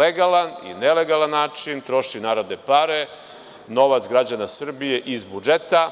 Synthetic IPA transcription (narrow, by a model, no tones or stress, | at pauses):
eɡalanḭneleɡalanːaːt͡ʂint̪ɾo̞ʃinaːɾad̪epaɾe̞ | no̞ʋat̪sɡɾad͡ʑanasr̩bije̞ʔizbud͡ʒet̪a